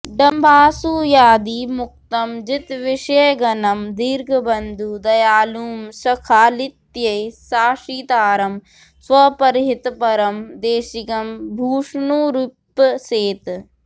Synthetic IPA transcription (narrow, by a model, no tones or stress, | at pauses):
ɖɐmbʱaːsuːjaːd̪iːmʊk̚t̪ɐmd͡ʒit̪ʋɪʃeːɡɐnɐmd̪iɾɡʱɐbɐnd̪ʱud̪ɐjaːluːmsɐkʰaːlit̪jɐjsaːʂiːt̪aːɾɐm | sʋɐpɐɾɦit̪pɐɾɐmd̪eːʃikɐmbʱuːʂnuːɾupːseːt̪